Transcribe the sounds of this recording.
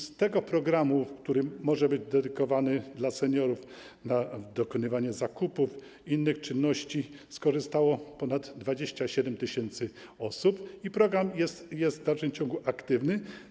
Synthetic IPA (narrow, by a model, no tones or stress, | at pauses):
st̪ɛɡɔpɾɔɡɾamufkt̪uɾɘmːɔʐɛbɘd͡ʑd̪ɛd̪ɘkɔvanɘd̪lasɛɲɔɾuf | nad̪ɔkɔnɘvaɲɛzakupuf | inːɘxt͡ʂɘnːɔɕt͡ɕiskɔʐɘst̪awɔpɔnad̪ːvad͡ʑeɕt͡ɕaɕɛd̪ɛmt̪ɪɕɛnt̪sɘɔsupipɾɔɡɾamjɛsjɛszt̪vd̪alfʂɘmt͡ɕɔŋɡuʔakt̪ɘvnɘ